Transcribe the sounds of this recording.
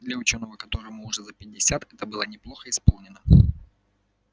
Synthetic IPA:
d̪lʲɐʊt͡ɕo̞nːəvəkɐt̪o̞ɾɨmʊːʐɛzəpʲɪdʲːɪsʲat̪ɛt̪əbɨlˠənʲɪplˠoxəɪspolˠnʲɪnə

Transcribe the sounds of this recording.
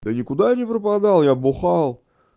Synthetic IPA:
d̪ənʲɪkʊd̪anʲɪpɾəpad̪ɑlˠjaboχɑlˠ

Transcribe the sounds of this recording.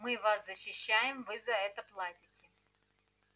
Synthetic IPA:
mɨvaszəɕːɪɕːæjɪmvɨzɐɛt̪əplˠadʲɪtʲɪ

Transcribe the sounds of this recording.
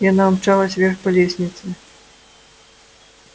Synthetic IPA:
janaːmt͡ʂalˠɐsʲvʲɛrxpalʲesʲnʲit̪sɨ

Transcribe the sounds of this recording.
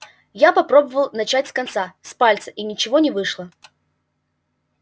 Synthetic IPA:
japɐpɾo̞bəvəlˠnɐt͡ɕatʲskɐnt̪saspalʲt̪sə̥ʔinʲɪt͡ɕɪvonʲɪvɨʂlˠə

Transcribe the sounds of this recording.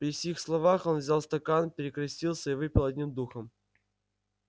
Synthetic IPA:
pɾʲɪfsʲixslˠɐvaxo̞nvzʲalˠst̪ɐkanpʲɪɾʲɪkɾɐsʲtʲilˠsʲəivɨpʲɪlˠɐdʲnʲimd̪uxəm

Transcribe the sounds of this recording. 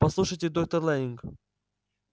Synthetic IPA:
pɐslˠuʂəjtʲɪd̪ok̚t̪ərlˠaɪŋk

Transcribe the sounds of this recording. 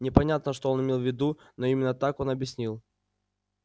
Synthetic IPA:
nʲɪpɐnʲat̪nəʂt̪oo̞nɪmʲe̞lˠvʲɪd̪u | no̞imʲɪnːət̪ako̞nɐbʲjɪsʲnʲilˠ

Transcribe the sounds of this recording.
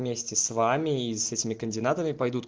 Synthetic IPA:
mʲesʲtʲɪsvamʲɪːsɛtʲɪmʲɪkənʲdʲɪnat̪əmʲɪpɐjd̪ut̪

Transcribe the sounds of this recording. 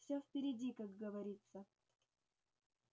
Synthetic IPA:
fsʲofʲpʲɪɾʲɪdʲikaɡɡəvɐɾʲit̪sə

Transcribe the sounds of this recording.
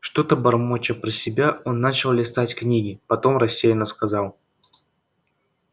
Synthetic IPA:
ʂt̪o̞t̪əbɐrmot͡ɕəpɾəsʲɪbʲao̞nːat͡ɕɪlˠlʲɪst̪atʲknʲiɡʲɪpɐt̪o̞mrɐsʲːejɪnəskɐzɑlˠ

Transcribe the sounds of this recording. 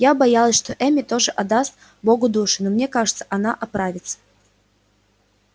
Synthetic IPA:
jabɐjalˠəsʲʂt̪oʔɛmʲɪt̪oʐɨʔɐd̪ast̪̚ | boɡʊd̪uʂɨnomnʲekaʐɨt̪sə̥ʔɐnaʔɐpɾavʲɪt̪sə̥

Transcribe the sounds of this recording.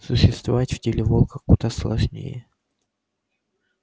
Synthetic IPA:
sʊɕːɪst̪vɐvatʲv̥tʲɪlʲɪvolˠkəxkʊd̪aslˠɐʐnʲḛjɪ

